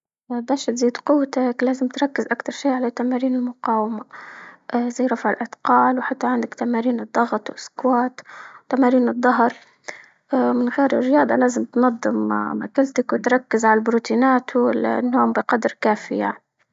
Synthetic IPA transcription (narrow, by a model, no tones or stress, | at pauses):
baːʃt̪ziːd̪qʊwːt̪aklaːzɪmt̪ɾˤɑkːɪzʔakt̪ɑɾˤʃiːʔʕalat̪ːamaːɾiːnɪlmʊqɑːwamaʔzajːɾˤɑfʕɪlʔad̪qɑːlwħat̪ːaʕɪnd̪akt̪amaːɾiːnɨd̪ˤːɑɣt̪ˤwʔɪskwaːt̪wt̪amaːɾiːnɨd̪ˤːɑɦɑɾˤ | ʔmɪnɣeːɾɪ̰rːɪjɑːd̪ˤɑ̰laːzɪmt̪nɑd̪ˤːɨmma̰kalt̪akwɪt̪ɾˤɑkːɪzʕalabɾuːt̪iːnaːt̪wɪl̰nːoːmbɪqɑd̪ɾkaːfɪjani